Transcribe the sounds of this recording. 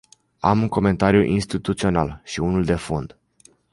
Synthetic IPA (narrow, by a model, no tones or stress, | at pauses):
amuŋko̞me̞nt̪aɾjuʔinst̪it̪ut̪sio̞nalʃiunuld̪e̞fond̪